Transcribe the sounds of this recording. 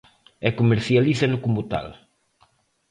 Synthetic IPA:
ɛkumeɾθialiθɐnukumut̪a̰l

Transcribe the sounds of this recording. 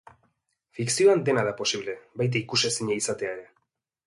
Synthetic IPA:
fiksio̞and̪e̞naðapo̞siβle̞bajt̪̬aikusesiɲaisat̪e̞aeɾe̞

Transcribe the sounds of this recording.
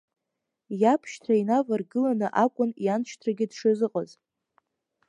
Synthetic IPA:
japʰʃtʰainavarɡɨlanɨʔakʷʼʊnijant͡ʃʰtʰraɡʲɪdʂɨzɨqʼaz

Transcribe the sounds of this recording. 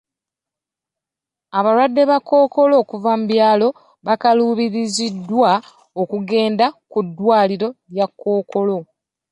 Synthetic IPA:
aβaɾwadːe̞βakːo̞ːko̞lo̞ːkuvamubjaːlo̞ | βakaluːβiɾizidːwa | okuɡe̞ːndakudːwaːliɾo̞ɾjakːo̞ːko̞lo̞

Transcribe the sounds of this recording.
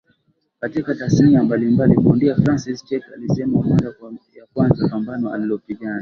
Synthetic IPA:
katikatasniambalimbalikuundiafɾansist͡ʃɛka̰lisɛmaumɔzajakwanzapambanɔa̰lilɔpiɠana

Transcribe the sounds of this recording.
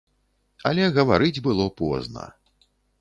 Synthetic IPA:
ɐ̰lʲɛɣɐvaɾɨd͡zʲbɨlˠɔpɔ̰znɐ̰

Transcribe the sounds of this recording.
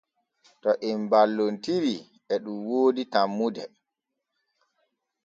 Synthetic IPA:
tɔʔimbalːontiɾi | ɛɗumwoːditamːudɛ

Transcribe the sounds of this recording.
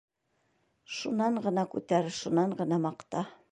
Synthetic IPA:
ʃunːɑɴɢɤ̆nɑkʉt̪æɾʃunɑɴɢɤ̆nɑmɑqt̪ɑ

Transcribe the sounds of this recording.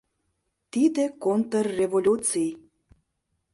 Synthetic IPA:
t̪id̪ekont̪ərːevolʲut͡sij

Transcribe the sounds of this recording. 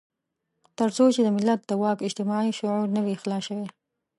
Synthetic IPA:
t̪əɾsot͡ʃed̪əmɪlːat̪̚d̪əwɑkɪd͡ʒt̪ɪmɑʕiʃʊʕuɾnəwixlɑʃəwe

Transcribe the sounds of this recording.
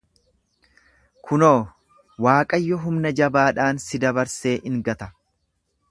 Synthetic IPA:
kʰʊnoː | waːkʼɐjːɔɦʊmnɐd͡ʒɐbaːᶑaːnsɪd̪ɐbɐɾse̞ːʔɪŋɡɐt̪ɐ̥

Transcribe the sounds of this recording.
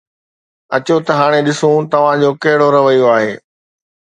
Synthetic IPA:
ɐt͡ɕot̪ɐɦaːɽ̃eɗɪsõt̪ɐʋ̤ãd͡ʑoːkɐɦɪɽoɾɐʋəjoaːɦeː

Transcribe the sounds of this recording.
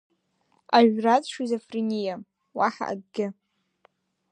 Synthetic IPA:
aɥrat͡sʂizofrinʲija | waħa̰ʔːɡ̚ɡʲɪ

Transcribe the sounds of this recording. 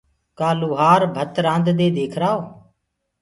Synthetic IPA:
kaːluːɦaːɾbʱət̪ɾãːnd̪d̪eːd̪eːkʰɾaːoː

